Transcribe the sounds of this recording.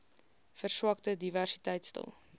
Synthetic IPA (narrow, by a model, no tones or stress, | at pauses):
fərswɐktədiværsi̥tɛjtstə̰lˠ